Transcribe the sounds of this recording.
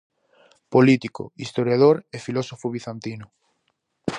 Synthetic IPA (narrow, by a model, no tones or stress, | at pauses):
polit̪ikʊ̰ist̪oɾjaðoɾefilɔsofʊβiθant̪inʊ